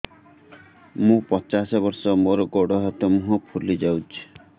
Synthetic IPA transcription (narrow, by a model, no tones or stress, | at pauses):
mũpɔt͡ʃasɔβɔɾsɔmoɾɔɡoɽɔɦɔt̪ɔmũɦɔpʰulid͡ʒawt͡ʃʰi̥